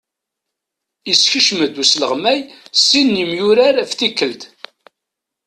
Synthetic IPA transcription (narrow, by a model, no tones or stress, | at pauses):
isçəʃməd̪usləʁmæjsːinːimjʊɾaɾæfθikːəld̪